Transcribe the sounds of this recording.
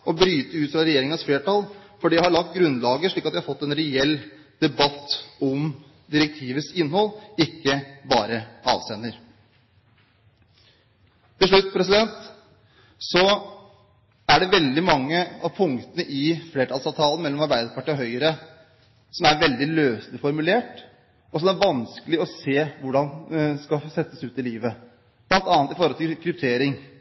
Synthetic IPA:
ɔbɾyːt̪əʉːt̪fɾɑɾɛjeːɾɪŋɑsfleːʈɑːlfɔɖiːjæɪhɑɭɑk̚t̪̚ɡɾʉnlɑːɡəʂɭiːkɑt̪ʋɛæhɑfɔt̪ːɛnɾɛɛlː | d̪̥ɛbɑt̪ːɔm | d̪ɪɾɛk̚t̪ʰiːʋəsɪnːhɔlːɪkːəbɑːɾəɑ̰ːʋst̪ɛːnːəɾ | t̪ʰɪʂɭʉt̪ːpʰɾɛsɪd̪ɛnt̪ | sɔ | æɖɛʋɛld̪ɪmɑŋːəɑʋpʰʊŋkt̪ənəʔɪfleːʈʰɑːlsɑːʋt̪ʰɑːlən̩mɛlːɔmɑɾbæɪd̪əɾpʰɑʈʰiːɔɦœʏəɾə | sɔmæɾʋɛld̪ɪløːslɪfɔɾmʉleːʈ | ɔsɔmæɾʋɑnskəlɪɔseːʋʊɖɑnskɑsɛt̪ːəsʉːt̪ɪliːʋə | b̥lɑnt̪ɑːnt̪ɪfɔɾɔlt̪ʰɪkʰɾʉp̚t̪ʰeːɾɪŋ

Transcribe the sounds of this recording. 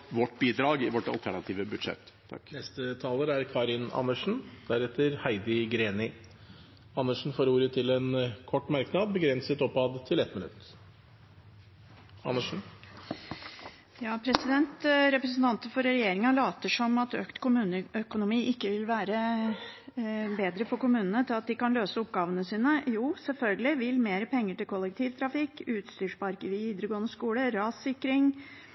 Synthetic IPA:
ʋɔʈbiːd̪ɾɑːɡɪʋɔʈɑ̰lt̪ʰæɳɑt̪ʰiːʋəbʉd̪ʂɛ̰t̪ː | nɛst̪ət̪ʰɑːləɾæɾkʰɑːɾɪnɑ̰nːəʂn̩d̪̥æɾɛt̪əɾhæɪd̪ɪɡɾeːnɪ | ɑnːəʂɳ̩foːɾuːɾət̪ʰɪlɛnkʰɔʈːmɑɾknɑd̪bəɡɾɛnsət̪ɔpːɑːd̪t̪ʰɪlɛt̪mɪnʉ̰t̪ | ɑ̰nːəʂn̩ | jɑːpʰɾɛsɪd̪ɛnt̪ɾɛpɾəsn̩t̪ɑnt̪əfɔɾɾɛjeːɾɪŋɑlɑːt̪əʂɔmɑt̪øːkt̪kʊmʉːnəœkʊnʊmiːʔɪkːəʋɪlʋæːɾə | beːd̪ɾəfɔɾkʊmʉːnənət̪ʰɪlɑt̪̚d̪ɪkɑnløːsəɔpːɡɑːʋənəsiːnəjuːsɛlfœlɡəlɪʋɪlmeːɾəpʰɛŋːəʈɪlkʰɔlːɛk̚t̪ʰiːʋt̪ʰɾɑfɪkːʉːt̪st̪yːʂbɑɾkəʋɪʋiːd̪ɾəɡoːənəskuːləɾɑːsɪkːɾɪŋ

